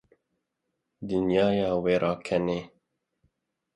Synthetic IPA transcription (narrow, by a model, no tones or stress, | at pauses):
d̪ɨnjɑːjɑːweːɾʔɑːkʰɛneː